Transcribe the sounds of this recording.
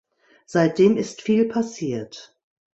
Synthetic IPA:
z̥aɪt̚d̥eːmɪstfiːlpʰasiːɐt

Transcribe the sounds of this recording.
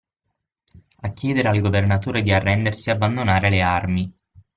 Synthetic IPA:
akːjɛːd̪eɾealɡovernat̪uːɾed̪iarːɛnd̪ersiabːand̪onaːɾelearmi

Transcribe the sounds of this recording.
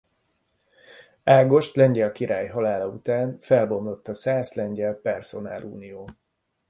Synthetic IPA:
aːɡo̞ʃt̪lɛɲɟɛlkiɾaːjɦɒlaːlɒṵt̪aːnfɛlbo̞mlo̞t̪ːɒsaːslɛɲɟɛlpɛrso̞na̰ːlʔṵːnijoː

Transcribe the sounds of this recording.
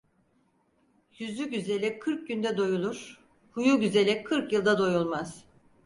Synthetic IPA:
jyzyɟyze̞lʲɛkʰɯɾk̚ɟynd̪ɛd̪o̞julˠuɾ̥ | hujuɟyze̞lʲɛkʰːɯɾkjɯlˠd̪ad̪o̞julˠmaz̥

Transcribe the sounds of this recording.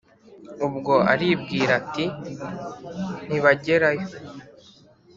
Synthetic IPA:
ubɡo̞a̰ɾiːbɡiːɾati | n̥iβaɟe̞ɾajo

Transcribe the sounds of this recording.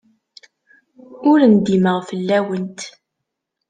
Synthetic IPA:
ʊɾənd̪iməʁfəlːæwənt̪

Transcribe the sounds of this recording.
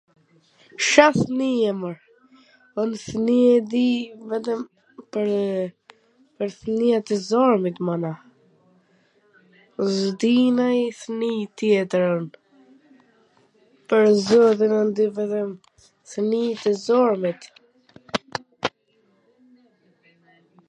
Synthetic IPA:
ʃaθniɛməɾ | ɔnθniɛd̪ivɛt̪̬əm | pəɾ | pəɾθniat̪ɛzɔɾmit̪mana | zd̪inajθnit̪jɛt̪ɾən | pəɾzɔðinənd̪ivɛt̪əm | θənit̪ɛzɔɾmit̪

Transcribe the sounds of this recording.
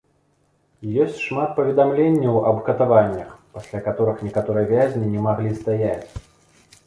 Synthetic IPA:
jɔsʲt͡sʲʂmat̪̚pɐvʲɛd̪amlʲenʲːɐwɐbkɐt̪avanʲːɐxpasʲlʲakat̪ɔɾɨxnʲɛkat̪ɔɾɨjɐvʲazʲnʲinʲɛmaɣlʲist̪ajat͡sʲ

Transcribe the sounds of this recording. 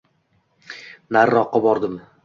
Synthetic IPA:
naɾːɒqːɑbɒɾd̪ɪm

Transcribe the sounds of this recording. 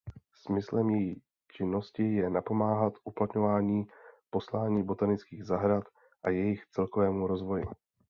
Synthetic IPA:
smɪslɛmjɛji | t͡ʃɪnːo̞scɪjɛnapo̞maːɦat̪ʔuplat̪ɲo̞vaːɲiːpo̞slaːɲiːbo̞t̪anɪt͡skiːɣzaɦɾat̪ | ʔajɛjɪxt͡sɛlko̞vɛːmuɾo̞zvo̞jɪ̰

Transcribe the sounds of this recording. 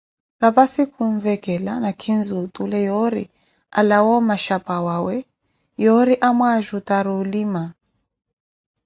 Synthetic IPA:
ɾapasikʰuɱvɛkɛla̰nakʰinzutulɛjɔɾḭ | alawɔmaʃapawawɛ | jɔɾiʔamwaʒutaɾulima

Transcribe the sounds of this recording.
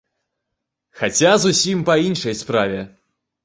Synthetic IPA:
xat͡sʲazusʲimpɐinʂɐjspɾavʲɛ

